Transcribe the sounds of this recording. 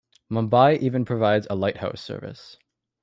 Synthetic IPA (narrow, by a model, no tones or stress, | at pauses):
mɑ̃mbaɪʔivɨ̃npʰɹ̥ɨvaɪdzəlaɪt̚ha̰ʊsɜ̰˞vɨ̰s